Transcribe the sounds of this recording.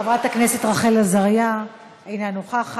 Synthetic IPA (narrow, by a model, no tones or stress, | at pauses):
avʁat̪aknese̞t̪ʁaχelazaʁja | ejnanuχaχ